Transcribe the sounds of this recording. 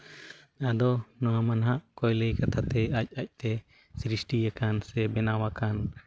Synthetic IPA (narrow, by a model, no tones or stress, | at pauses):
ad̪ɔnɔwamanɦaʔkɔjləjkat̪ʰat̪ɛac̚ˀac̚ˀt̪ɛ | sɾisʈijakansɛbɛnawakan